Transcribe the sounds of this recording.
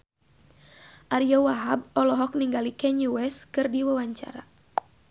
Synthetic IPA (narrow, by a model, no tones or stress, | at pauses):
ʔaɾiɔwaɦab̚ɔlɔɦɔk̚niŋɡalikɛɲuwɛskɨrdiwawaɲt͡ʃa̰ɾa̰